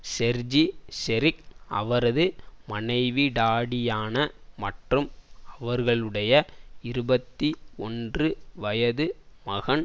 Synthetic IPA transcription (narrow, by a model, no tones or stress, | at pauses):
sɛɾd͡ʒisɛɾɪkɐ̰ʋɐɾɐðɯmɐnɐɪʋiɖaːɽɪjaːnɐmɐʈrɯmɐʋɐɾɣɐɭɯɽɐjɐɪɾɯbɐt̪ːiɔndrɯʋɐjɐðɯmɐɣɐn